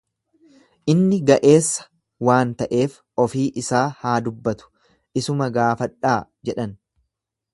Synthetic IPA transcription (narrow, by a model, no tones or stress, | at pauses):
ʔɪnːɪɡɐʔe̞ːsːɐ̥ | waːnt̪ɐʔe̞ːf | ɔfiːʔɪsaːhaːd̪ʊbːɐt̪ʊ̥ | ʔɪsʊmɐɡaːfɐᶑaːd͡ʒɛᶑɐn